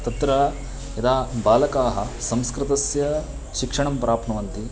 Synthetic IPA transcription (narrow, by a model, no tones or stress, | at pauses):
t̪ɐt̪ɾɐ | jɐd̪aːbaːlɐkaːɦɐsɐmskɾɪt̪ɐsjɐ | ʃikʂɐɳɐmpɾaːpʰnɐʋɐnt̪i